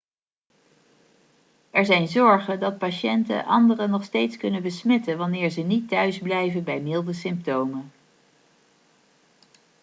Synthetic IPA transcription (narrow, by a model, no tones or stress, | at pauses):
ʔɛɹzɛjnzɔɹχədɑt̚paʃɛntə̰ʔɑndərənɔχstejtskɵnənbəsmɛtənʋɑnɪːɹzənitːœɥzblɛjvənbɛjmɪlˠdəsɪmp̚towmə